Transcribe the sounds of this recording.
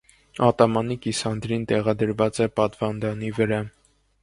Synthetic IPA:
ɑt̪ɑmɑnikisɑnd̪ɾint̪ɛʁɑd̪əɾvɑt͡sɛpɑt̪vɑnd̪ɑnivəɾɑ

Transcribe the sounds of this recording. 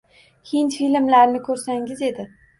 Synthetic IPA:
hint̪filmlaɾnɪkʲʰɵɾsaŋɪze̞d̪ɪ

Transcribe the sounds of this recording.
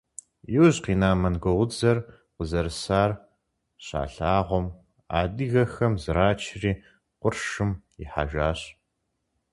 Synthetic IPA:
jɪwʑqiːnaːmɐnɡʷɔʁʷʊd͡zɐr | qʷʊzɐɾɨsaːr | ɕa̰ːɬaːʁʷɔm | a̰ːdɨɣɐxɐmzɨɾaːt͡ʃʰɪriː | qʷʊrʃɨm | ɪ̰ħa̰ːʒʷaːɕ

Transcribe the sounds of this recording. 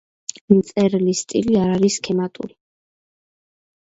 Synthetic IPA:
mt̪sʼɛɾlist̪ʼḭliaɾaɾiskʰɛmat̪ʼṵɾi

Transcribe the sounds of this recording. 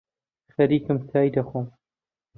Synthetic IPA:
xɐɾiːkɨmt̪ʰaːjd̪ɐxoːm

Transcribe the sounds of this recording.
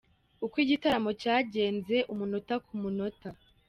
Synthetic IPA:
ukwiːɟitaɾamo̞caːɟe̞ːnze̞ʔumunotakumunota

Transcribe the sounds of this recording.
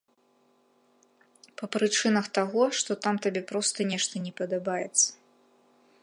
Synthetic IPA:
pɐpɾɨt͡ʂɨnɐxt̪aɣɔʂt̪ɔt̪amt̪abʲɛpɾɔst̪ɐnʲɛʂt̪ɐnʲɛpɐd̪abajɛt̪sːɐ̥

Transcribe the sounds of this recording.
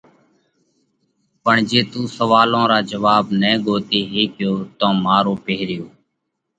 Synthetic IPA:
pəɳd͡ʒeːt̪uːsəʋaːlõːɾaːd͡ʒəʋaːbnɛ̃ːɡoːt̪iːɦeːkɪjoːt̪õːmaːɾoːpeːɾɪjoː

